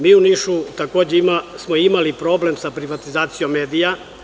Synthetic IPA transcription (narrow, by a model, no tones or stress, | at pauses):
miːuniʃut̪ako̞ːd͡ʑeimasmo̞imalipɾo̞ːble̞msapɾiʋat̪izaːt̪sijo̞mːeːd̪ija